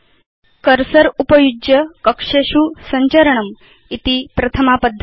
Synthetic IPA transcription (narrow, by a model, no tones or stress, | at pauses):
kəɾsəɾupəjud͡ʒjəkɐkʂeɕusɐɲt͡ɕəɾəɳ̃əm | it̪ipɾɐt̪ʰəmapəd̪ʱː